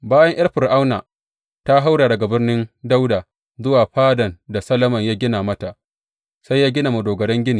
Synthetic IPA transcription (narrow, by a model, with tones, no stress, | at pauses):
baː˦jɐ˦ɲʔɐ˦rɸɪ˨rʔa˦wnaː˨ | ta˦ɦa˦wɽaː˨dɐ˨ɡa˨bɪ˦rnɪ˦nda˦wdaː˨ | zʊ˦waː˨ɸaː˦dɐ˨nda˨sɐ˦lɐ˦mɐ˨ɲjaː˦ɡʲɪ˦naː˨mɐ˦ta˨ʔ | sa˦jaː˦ɡʲɪ˦naː˨mɐ˨doː˨ɡɐ˨ɽɛ˦ŋɡʲɪ˦niː˨